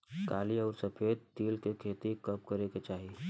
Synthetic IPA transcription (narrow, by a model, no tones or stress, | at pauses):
kaːliəʊɾsəpʰed̪̚t̪iːlkekʰet̪ikəp̚kəɾeket͡ʃaɦi